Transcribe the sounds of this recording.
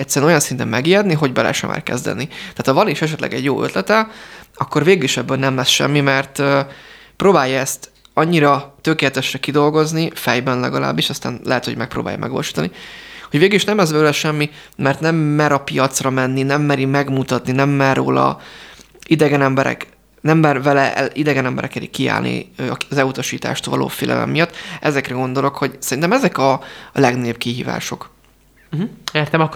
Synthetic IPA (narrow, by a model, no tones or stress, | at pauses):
ɛctsːɛɾɛnojɒnsint̪ɛmmɛɡijɛd̪niɦo̞ɟbɛlɛ̰ʃɛ̰ma̰ːrkɛ̰zd̪ɛ̰nit̪ɛaːt̪hɒvɒniʃɛʃ̬ɛt̪lʔɛ̰ɡɛ̰ɟjoːøt̪lɛt̪ɛɒkːo̞rveːɡyliʃɛbːøːlnɛmlɛsʃɛ̰mːimɛrt̪ː | pɾoːbaːjːɒɛst̪ | ɒɲːiɾɒt̪økeːlɛt̪ɛʃrɛkid̪o̞lɡo̞znifɛjbɛnlɛ̰ɡɒla̰ːbːiʃɒst̪a̰ːnlɛɦɛt̪ho̞ɟmɛk̚pɾo̰ːbaːjɒ̰mʔɛ̰ɡʋɒ̰loʃiːt̪ɒ̰niho̞ɟveːɡyliʃnɛmɛzbøːlɛʃɛmːi | mɛrt̪nɛmːɛɾɒpijɒt̪srɒmɛnːinɛmːɛɾimɛɡmut̪ɒt̪ninɛmːɛrːo̰ːlɒ̰ | id̪ɛɡɛnɛmbɛɾɛ̰k | nɛmːɛrvɛlɛʔɛʔid̪ɛɡɛnɛmbɛ̰ɾʔɛkɛɾḭkːia̰ːlnḭøɒɒzɛut̪ɒʃiːt̪a̰ːʃt̪vɒlʔo̰ːfeːlʔɛ̰mɛ̰mːijɒt̪ːʔɛzɛkrɛɡo̞nd̪o̞lo̞kho̞ɟsɛɾint̪ɛmɛzɛkɒlɛɡnep̚kiɦḭːva̰ːʃo̞k̩ | ert̪ɛmɒ